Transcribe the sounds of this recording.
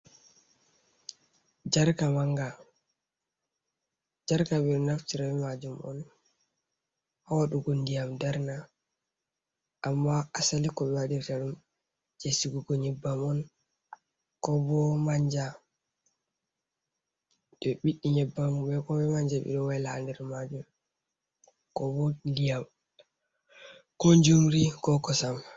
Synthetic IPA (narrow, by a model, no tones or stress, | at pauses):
d͡ʒaɾkamaŋɡa | d͡ʒaɾkaɓɛɗɔnaftiɾabɛmad͡ʒumɔ̰n | hawaɗuɡundijamdɛɾna | ʔamːaasalikɔɓɛwadiɾtaɗum | d͡ʒesiɡuɡɔɲɛbːamɔn | kɔbɔmaɲd͡ʒa | ɗɛɓiɗːiɲɛbːamubɛkɔbɛmaɲd͡ʒaɓḭɗɔwɛlandɛɾmad͡ʒum | kɔbɔlijam | koɲd͡ʒumɾikɔkɔsam